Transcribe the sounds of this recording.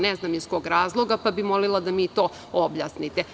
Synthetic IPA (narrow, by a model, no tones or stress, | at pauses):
nɛznamisko̞ːɡɾaːzlˠoɡapabimolilˠad̪amit̪oː | objasnit̪e